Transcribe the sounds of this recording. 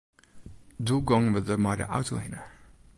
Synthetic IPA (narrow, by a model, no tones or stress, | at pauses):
duɡɔ̃ŋwɪðəmaɪɾə̰ʔa̰ʊtʰlḛ̃ɪ̃nə˞